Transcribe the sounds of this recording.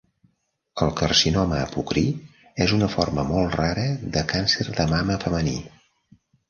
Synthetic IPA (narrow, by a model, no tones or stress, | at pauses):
əlˠkərsinɔməːpukɾi | ɛzunəforməmɔlˠtraɾəðəkansəɾðəmaməfəməni